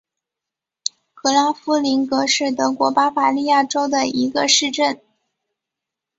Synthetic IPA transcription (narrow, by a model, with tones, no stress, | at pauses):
kɤ˧˥la˧˥fu˥li˧˥nkɤ˧˥ʂɻ̩˥˩t̪ɤ˧˥kwɔ˧˥pa˥fa˧˥li˥˧ja˥˩ʈ͡ʂo˥ʊd̪ə˨i˧˥ɡə˧ʂɻ̩˥˧ʈ͡ʂə˥˩n